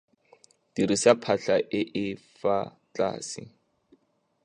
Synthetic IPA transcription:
d̥irisapʰaɬaʔɪʔɪfa | t͡ɬa̰ːsɪ̰

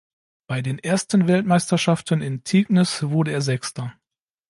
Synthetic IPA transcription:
b̥aɪdeːnʔeːɐstən̩vɛltmaɪstɐʃaftənɪntʰiːɡnɪsv̥ʊɐdəeːɐzɛkstɐ

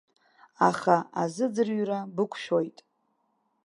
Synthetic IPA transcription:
a̰χaazɨd͡zɨrɥrabɨkʷʰʃᶣo̞jtʼ

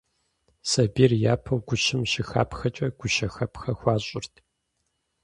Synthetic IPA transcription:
sɐbiːrjaːpʰɐwɡʷʊʃɪmʃɪxa̰ːpxɐt͡ʃʼɐɡ̥ʷʊʃɐxɐpʰxɐxʷɑːɕʼʊrtʰ

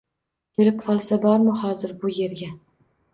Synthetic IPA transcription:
kʲʰe̞lɪpqʰɒlˠsabɒɾmɪhɒzɪɾbʊje̞ɾɡʲa

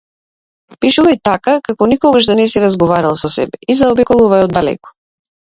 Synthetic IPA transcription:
piʃuvajt̪akakakɔnikɔɡaʒd̪anɛsiɾazɡɔvaɾalˠsɔsɛ̰bɛizaɔbikɔlˠuvajɔd̪ːalɛ̰kɔ̥

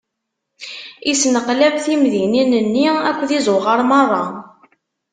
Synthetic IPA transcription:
isnəqlævθimðininənːiækʷːðizʊʁəɾˤmɑrˤːɑ

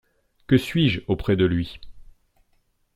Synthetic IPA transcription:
kəsɥiʒopχɛd̪əlɥi

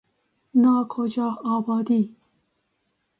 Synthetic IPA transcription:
nɑːkʰod͡ʒɑːɑːbɑːd̪iː

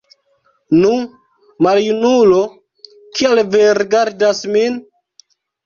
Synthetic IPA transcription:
nu | maljunulo | kialveɾeɡaɾdasmin

